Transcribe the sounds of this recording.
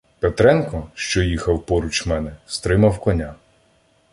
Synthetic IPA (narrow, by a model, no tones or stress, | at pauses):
pet̪ɾɛnkɔʃt͡ʃɔjixɐwpɔɾut͡ʃmɛnɛst̪ɾɪmɐwkɔnʲa